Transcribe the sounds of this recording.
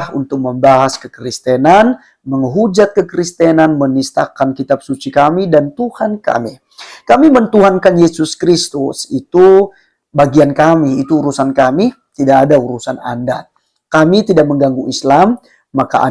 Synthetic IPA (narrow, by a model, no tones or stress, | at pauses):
hunt̪ʊk̚məmbaɦaskəkɾist̪ɛnan | məŋɦud͡ʒat̪̚kəkəɾist̪ɛnanmənist̪a̰kankit̪ap̚sut͡ʃikamidant̪uhanka̰mi | kamimənt̪uɦankanjesuskɾist̪usit̪u | baɡiankamiːt̪uːɾusankami | t̪idaʔadauɾusana̰nda̰ | kamit̪idak̚məŋɡaŋɡuʔislamː | akaʔa̰